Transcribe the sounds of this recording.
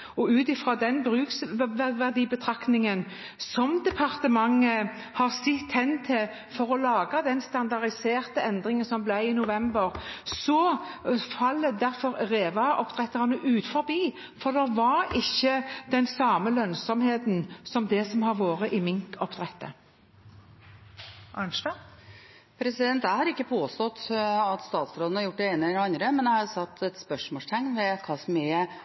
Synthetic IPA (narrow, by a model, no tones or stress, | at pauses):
ɔʉːt̪ɪfɾɑːd̪ɛnbɾʉːksʋæʋæʁd̪iːbət̪ʰɾɑknɪŋən | sɔmd̪ɛpʰɑʁt̪əmɑŋːə | hɑʁsɪt̪ːhɛnːt̪ʰɪl | fɔɾɔlɑːɡɑd̪ɛnst̪ɑnd̪ɑʁɪseːʁt̪əɛnd̪ʁɪŋənsɔmblæɪɪnʊʋɛmbəʁsɔ | fɑlːəd̪æɾfɔɾʁeːʋɑʔɔpd̪̥ʁɛt̪ːəʁɑnəʔʉːt̪fɔɾbiː | fɔʁd̪ɛʋɑɾɪçːəd̪̥ɛnsɑːməlœnsɔmheːt̪nsɔmd̪ɛsɔmhɑʁʋoːɾəʔɪmɪŋkʰɔpt̪ʁɛt̪ːə̰ | ʔɑnʂd̪ɑ | pʰɾɛsɪd̪ɛnt̪æɪhɑɾɪkːəpʰoːst̪ɔt̪ːɑt̪st̪ɑːt̪sɾoːd̪ən̩ɑɾjʊʈ̚ːɖ̪ɛeːnəɛlɛɑnd̪ɾəmɛnæɪhɑɾsɑt̪ʰːɛt̪spœʂmoːʂt̪ʰɛŋnʋɛkʰɑsme